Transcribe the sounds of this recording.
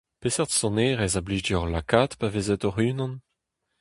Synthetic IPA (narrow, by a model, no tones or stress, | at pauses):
pesɛʁt̪sɔ̃neʁezablidiɔʁlakaːtpavezɛt̪ɔʁyːnɑ̃n